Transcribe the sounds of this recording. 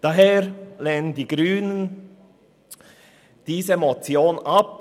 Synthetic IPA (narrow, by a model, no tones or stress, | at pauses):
d̥ɑɦeːɾleːnəndiːɡ̥ɾyːnən | d̥iːzəmot͡sjoːnɑp